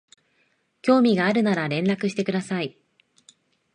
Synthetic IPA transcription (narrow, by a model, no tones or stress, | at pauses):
kʲo̞ːmʲiɡaːɾɯ̟naɾaɾẽ̞nɾakɯ̟ɕi̥t̪e̞kɯ̟d̪asai